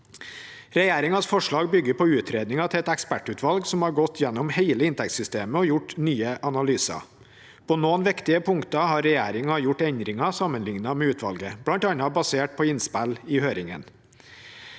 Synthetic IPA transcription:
ɾɛjæːɾɪŋɑsfɔʂɭɑːɡbʏɡːəɾpʰɔʉːt̪ʰɾeːd̪nɪŋɑt̪ʰɪɛt̪ɛkspæʈʉːt̪ʰʋɑlɡsɔmhɑɾɡɔt̪ʰːjɛnːɔmheɪləɪnt̪ʰɛkt̪sʏst̪eːməɔjʊʈnyːəʔɑnɑlyːsɑ̰ | pʰɔːnoːnʋɪkt̪ɪəpʰʊŋkt̪ɑɦɑɾːɛjæːɾɪŋɑjʊʈːɛnd̪ɾɪŋɑsɑmːənlɪŋnɑmɛʉːt̪ʰʋɑ̰lɡəblɑnt̪ɑnɑbɑseːʈ̚pʰɔɪnspælɪhøːɾɪŋə̰n

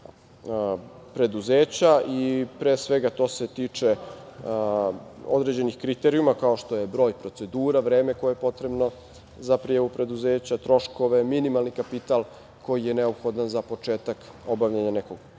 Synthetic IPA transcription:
pɾe̞d̪uzeːt͡ɕaʔipɾeːsʋe̞ɡat̪o̞ːse̞t̪iːt͡ʂe̞ | o̰d̪ɾed͡ʑe̞nixkɾit̪eɾiumakao̞ʃt̪o̞jebɾo̞ːjpɾo̞t̪se̞d̪uːɾaʋɾeːmeko̞jejepo̞t̪ɾe̞bno̞ | zapɾijaʋupɾe̞d̪uzeːt͡ɕat̪ɾo̞ʃko̞ʋe̞minimalˠnikapit̪al | ko̞jije̞ne̞opxo̞d̪anzapo̞t͡ʂe̞ːt̪ak | o̞baʋʎaɲaneko̞ɡ

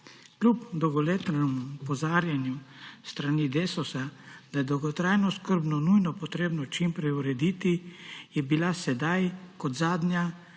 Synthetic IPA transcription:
klʲupd̪ɔwɡɔlet̪nɛmupɔzaːɾjanjust̪ɾanid̪eːsɔsad̪̥ajɛd̪ɔwɡɔt̪ɾajnɔskəɾbnɔnujnɔpɔt̪ɾeːbnɔt͡ʃimpɾɛjuɾɛd̪iːt̪ijɛbilasɛd̪ajkɔt̪zaːd̪nja

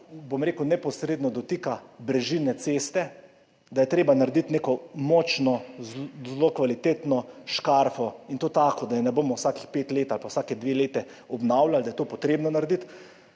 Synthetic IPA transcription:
bomɾeːkwnɛpɔsɾeːd̪nɔd̪ɔt̪ikabɾɛʒinɛt̪sest̪ɛ | d̪ajɛt̪ɾeːbanaɾɛd̪it̪neːkɔmɔːt͡ʃnɔzlokʋalit̪eːt̪nɔʃkaɾfɔint̪oːt̪aːkɔd̪ajɛnɛboːmɔwsakixpeːt̪leːt̪alpawsaːkɛd̪ʋeleːt̪ɛ | ɔbnawlald̪ajɛt̪oːpɔt̪ɾeːbnɔnaɾɛd̪it̪

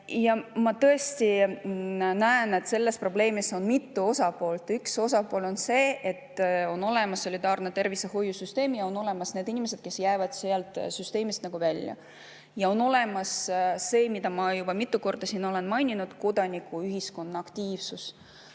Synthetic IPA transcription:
jɑmɑt̪ɤest̪i | næene̞t̪se̞lːe̞spro̞ble̞ːmiso̞nmit̪ːuo̞sɑpo̞ːlt̪ˑykso̞sɑpoːlo̞nse̞ːʔet̪ːo̞no̞le̞mɑsːo̞lʲid̪ɑːrnet̪e̞rviseho̞jːusyst̪e̞ːmjɑo̞no̞le̞mɑsneːd̪inʲimese̞d̪̥ke̞sjæːvɑd̪̥seɑlt̪ˑsyst̪e̞ːmist̪nɑɡ̥uvælʲjɑ̰ | jɑo̞no̞le̞mɑsse̞ːmid̪ɑmɑjub̥ɑmit̪ːˑuko̞rd̪̥ɑsiːno̞le̞nmɑjnʲinud̪̥ko̞d̪̥ɑnʲikːˑuyɦisko̞nːɑɑkt̪iːv̥sus

